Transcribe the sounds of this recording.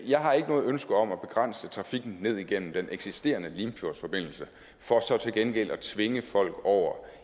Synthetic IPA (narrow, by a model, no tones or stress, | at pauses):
jɑ̈ɪɦɑ̈e̝ɡ̥ənɔ̽ːð̞̩ˠønsɡ̥əɒ̽mæb̥e̝ɡ̥ʁan̰sət͡sʰʁɑ̈fiɡ̥n̩ne̝ð̞̰ˠiɡ̥en̰m̩d̥enʔeɡ̥sisd̥e̝̰ːɐnəliːmfʰoɐsfɒ̽b̥e̝n̰l̩sə | fɒ̽sɒ̽t͡sʰe̝lɡ̥enɡ̥el̰ɒt͡sʰʋe̝ŋəfɒ̽l̰ɡ̥ɒʊ̰ɐ